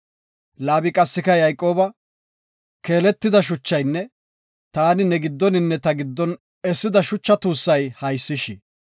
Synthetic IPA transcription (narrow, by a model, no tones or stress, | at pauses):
laːbɪkʼɐsːɪkɐjɐjkʼo̞ːbɐ | ke̞ːlɛt̪ːɪd̪ɐʃ̬ʊt͡ʃːɐjnːɛ | t̪aːnɪnɛɡɪd̪ːɔnɪnːɛt̪ɐɡɪd̪ːɔn | ɛsːɪd̪ɐʃʊt͡ʃːɐt̪uːsːɐjhɐjsːɪʃɪ